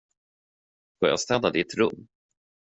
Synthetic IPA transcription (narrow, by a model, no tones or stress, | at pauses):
fɔɾja̰st̪ɛd̪ad̪ɪt̪ɾɵmː